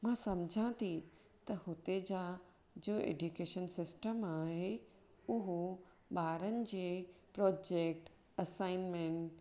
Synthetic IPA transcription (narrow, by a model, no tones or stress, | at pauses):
mãsɐmd͡ʑʱãt̪ʰi | t̪ɐhʊt̪ed͡ʑa | d͡ʑoːḛːɖjukeːʃənsɪsʈəmaːɦe | ʊɦo | ɓaːɾənɪ̆d͡ʑeːpɾɔːd͡ʑeːk̚ʈ | ɐsaːɪnmẽɳʈ